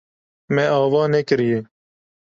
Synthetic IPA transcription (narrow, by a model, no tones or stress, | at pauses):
mẽːaːʋɑːneːkəɾijeː